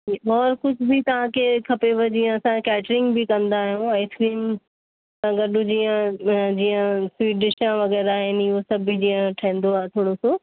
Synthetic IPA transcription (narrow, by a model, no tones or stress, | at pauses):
ɔːɾxʊd͡ʑʱbit̪ɐʋ̤ãkʰekʰɐpeʋɐd͡ʑiːə̃ɐsãkɛːʈɾɪ̃ŋɡbʱikɐ̃nd̪aːɦijũɛ̃ːskɾiːm | sãɡɐɗʊ̃d͡ʑiːjə̃d͡ʑiːə̃sʋiːɖɪʃãʋɐɣɛːɾaːɦɪnɪɦosɐbʱid͡ʑiːə̃ʈʰɐĩːnd̪oaːɦet̪ʰoːɽoso